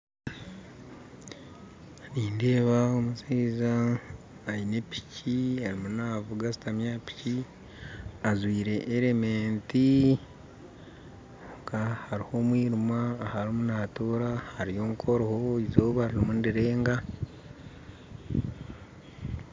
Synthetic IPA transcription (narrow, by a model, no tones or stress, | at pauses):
niːnde̞ːβaomusiːzaː | jinepi̥ciaɾimunaːvuɡasi̥tamjaːpi̥ci | azwiːɾe̞ʔːɾeme̞ːnti | kahaɾiho̞mwiːɾumaːhaɾimunaːtoːɾahaɾijo̞ːŋkʰo̞ɾohoizoːβaɾiɾimundiɾe̞ːŋɡa